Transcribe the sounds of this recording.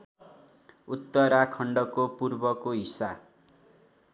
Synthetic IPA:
ut̪ːʌɾakʰʌɳɖʌkopurbʌkoɦisa

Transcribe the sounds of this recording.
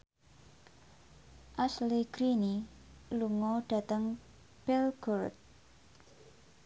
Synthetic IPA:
ʔasliɡ̥ɾini | luŋɔɖ̥ä̤t̪əŋ | pɛlɡ̥ɔrt̪̚

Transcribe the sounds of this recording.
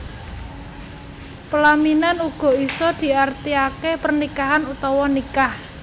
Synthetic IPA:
pəlaminanuɡ̥ɔ̤isɔd̪̥i̤art̪iakepərnikaɦanut̪ɔwɔnikah

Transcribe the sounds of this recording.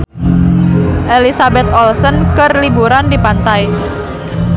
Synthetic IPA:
ʔelisabɛt̪ɔlsənkɨrlibuɾandipant̪aj

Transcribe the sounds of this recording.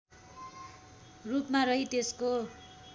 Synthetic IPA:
rupmaɾʌɦit̪esko

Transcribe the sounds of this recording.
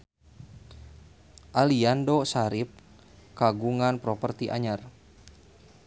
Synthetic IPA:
ʔaliandosaɾɪp̚ | kaɡuŋanpɾɔpərt̪iʔa̰ɲar

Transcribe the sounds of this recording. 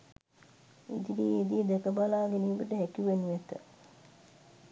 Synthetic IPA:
ḭd̪idied̪ijəd̪ɛkəbalaːɡeniːbəʈəɦekiʋenuʋet̪ə̰

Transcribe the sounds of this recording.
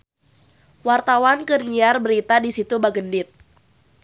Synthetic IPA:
wart̪awankərɲiarbəɾit̪adisit̪ubaɡəndɪt̪̚

